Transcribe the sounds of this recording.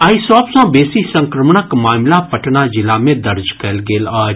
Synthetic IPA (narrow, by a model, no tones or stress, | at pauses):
aːisɔːpsɔ̃ːbeːsisə̃ŋkɾəmɳəkmaːmlapəʈnad͡ʒɪlamẽd̪ɐɾd͡ʒkɐlɡeːlɔːɾ